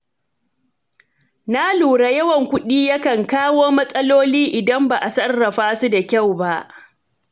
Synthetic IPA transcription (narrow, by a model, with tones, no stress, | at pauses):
na˦luː˨ɽa˦˨jɐ˦wɐ˨ŋkʷʊ˦ɗiː˦jɐ˦kɐ˨ŋkaː˦woː˦mɐ˦sʼɐ˦loː˦liː˦ʔɪ˨dɐ˦mbaː˨ʔa˨sɐ˦rːɐ˨ɸaː˦su˦da˨kʲa˦˨wba˦ʔ